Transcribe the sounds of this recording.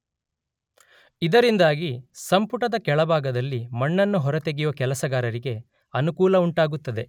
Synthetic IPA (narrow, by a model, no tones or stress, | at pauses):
id̪ɐɾind̪aːɡisɐmpuʈɐd̪ɐkɛɭɐbʱaːɡɐd̪ɐlːimɐɳːɐnːuɦɔɾɐt̪e̞ɡijuʋɐkɛlɐsɐɡaːɾɐɾiɡe̞ | ɐnukuːlɐuɳʈaːɡut̪ːɐd̪e̞